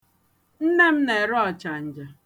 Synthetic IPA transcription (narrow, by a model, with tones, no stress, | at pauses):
n̩˦ne˦m̩˦ne˨ɾɔ˦˨t͡ʃa˨n̩˨d͡ʒa˨